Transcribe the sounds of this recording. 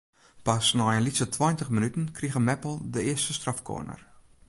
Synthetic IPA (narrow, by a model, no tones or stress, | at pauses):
pasnɔjənlisətʰwɔjntəxmənytən̩kʰriɣəmɛpl̩ˠdəɪəstəstrafkʰo̰ənə̰r